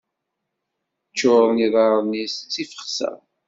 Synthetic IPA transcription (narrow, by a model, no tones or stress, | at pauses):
t͡ʃːʊɾˤniðˤɑɾˤnist͡sːifə̥χsæ̰